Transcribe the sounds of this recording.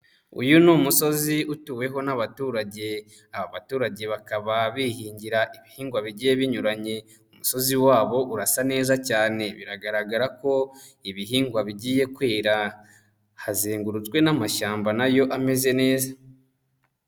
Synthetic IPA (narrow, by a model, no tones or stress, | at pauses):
ṵjunuːmuso̞ziutuːwe̞ɦo̞naβatuːɾaɟe̞ | aβaβatuːɾaɟe̞βakaβaβihiːɲɟiɾaʔiβihiːŋɡwaβiɟiːje̞βiɲuɾaɲe̞ | umuso̞ziwaːβo̞ʔuɾasane̞ːzacaːne̞βiɾaɡaɾaɡaɾako̞iβiɦiːŋɡwaβiɟiːje̞kweːɾa | hazeːŋɡuɾut͡sɡwe̞namaʃaːmbanajo̞ʔame̞ze̞ne̞ːza